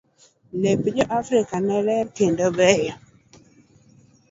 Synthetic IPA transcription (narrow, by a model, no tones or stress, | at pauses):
lepd͡ʒɔʔafɾikanɛɾɛɾkendobɾɛjɔ